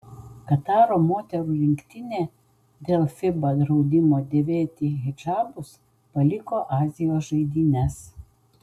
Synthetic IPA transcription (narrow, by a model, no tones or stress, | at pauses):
kɐt̪ɑːɾoːmoːt̪ʲɛɾuːɾʲɪŋʲkʲt̪ʲɪnʲeː | d̪ʲeːlˠfʲɪbɐd̪ɾɒʊd̪ʲɪmoːd̪ʲeːʋʲeːt̪ʲiːɣʲɪd͡ʒɑːbʊs | pɐlʲɪkoːʔɑːzʲɪjoːsʒɐɪd̪ʲiːnʲɛs